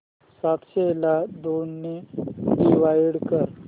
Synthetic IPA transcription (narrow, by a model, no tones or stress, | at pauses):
sat̪ɕelad̪onːeɖiʋajiɽkəɾ